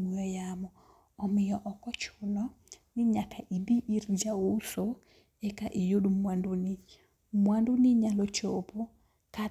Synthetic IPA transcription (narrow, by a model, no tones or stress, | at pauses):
mujɔjamɔ | ɔmɪjɔʔɔkɔt͡ʃɔnɔnɪɲakaʔibiʔiɾd͡ʒaoso | ɛkaʔejoɗumwanduni | mwandunɪɲalɔt͡ʃopo | ka